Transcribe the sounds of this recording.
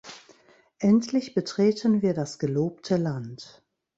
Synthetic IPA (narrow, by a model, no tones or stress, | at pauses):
ʔɛntʰlɪçb̥ətʁ̥eːtʰənviːɐdasɡ̥əloːp̚tʰəlant